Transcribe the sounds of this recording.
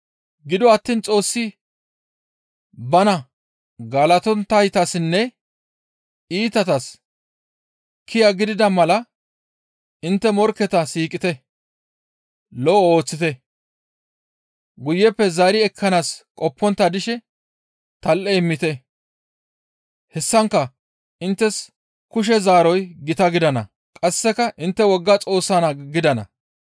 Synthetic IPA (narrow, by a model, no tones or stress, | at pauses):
ɡɪd̪ɔɐt̪ːiːnt͡sʼo̞ːsːɪ | bɐnɐ | ɡaːlɐt̪ɔnt̪ːɐjt̪ɐsɪnːɛ | iːt̪ɐt̪ɐs | kʰɪjɐɡɪd̪ɪd̪ɐmɐlɐ | ɪnt̪ːɛmɔɾkːɛt̪ɐsiːkʼɪt̪ɛ | lɔʔo̞ːt͡sːɪt̪ɛ | ɡʊjːɛpːɛzaːɾɪɛkʰːɐnaːskʼɔpːɔnt̪ːɐd̪ɪʃɛ | t̪ɐlʔɛɪmːɪt̪ɛ | hɛsːɐŋkːɐ | ʔɪnt̪ːɛs | kʊʃ̬ɛzaːɾɔjɡɪt̪ɐɡɪd̪ɐnɐ̰ | kʼɐsːɛkɐʔɪnt̪ːɛwɔɡːɐt͡sʼo̞ːsːanɐɡɪd̪ɐnɐ̰